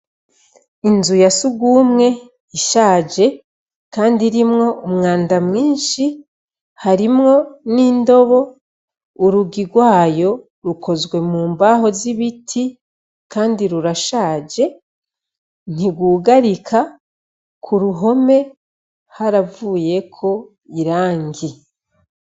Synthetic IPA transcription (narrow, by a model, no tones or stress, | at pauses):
inzujasuɡuːmŋe̞ | iʃaːd͡ʒe̞ | kaːndiɾimŋo̞umŋaːndamŋiːnʃi | haɾimŋo̞niːndo̞βo̞ | uɾuɡiɡwaːjo̞ | ɾukʰo̞zɡwe̞muːmbaɦo̞ziβitʰi | kaːndiɾuɾaʃaːd͡ʒe̞ | n̥iɡwuːɡaɾikʰa | kʰuɾuɦo̞me̞ | haɾavuːje̞kʰo̞ | iɾaːŋɡi